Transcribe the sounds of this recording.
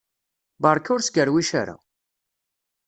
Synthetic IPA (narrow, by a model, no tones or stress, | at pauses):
bɑɾˤkʊɾsɡəɾwiʃa̰ɾa̰